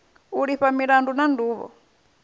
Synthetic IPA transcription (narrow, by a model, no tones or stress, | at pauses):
uɺiɸamiɺandunanduːβɔ̰